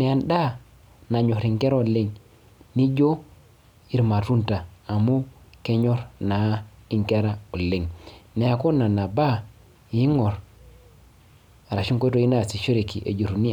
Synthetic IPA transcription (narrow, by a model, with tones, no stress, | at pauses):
ne˨a˨nda˦ | na˨ɲo˨ɾi˨ŋke˦ɾo˨le˦ŋ | ni˦d͡ʒo˦ | i˨ɾma˨tu˦ntaː˨mu˦ke˦ɲo˦ɾna˨˦i˦ŋke˦ɾa˦o˨le˨ŋne˨a˨ko˦na˨na˨ba˦ | ji˦ŋo˨ɾ | a˨ɾa˨ʃi˦ŋkʷto˦˨i˦na˦˨si˨ʃo˦ɾe˨ki˨ʔḛ˨d͡ʒo˨ɾu˨ni˦